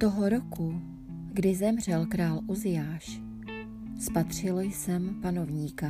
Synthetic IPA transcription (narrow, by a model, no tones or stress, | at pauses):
t̪oɦoɾoku | ɡdɪzɛmr̝ɛlkɾaːlʔozɪjaːʃ | spat̪r̝̥ɪljsɛmpano̞vɲiːka